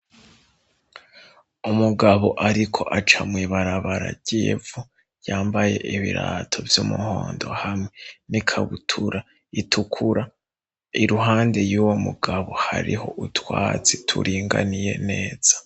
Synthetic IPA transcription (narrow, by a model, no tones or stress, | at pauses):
umuɡaβo̞ʔaɾikʰo̞ʔat͡ʃamŋiːβaɾaβaɾa̰ɟ̥evu | jaːmbaje̞̰ʔiβiɾaːtʰo̞vjumuhoːndo̞̰hamŋenikʰaβutʰuɾa | itʰukʰuɾa | iɾuɦaːnde̞juːwomuɡ̥aβo̞haɾiho̞ʔutwaːt͡sitʰṵɾʔiːŋɡa̰nije̞̰ne̞ːz̥ḁ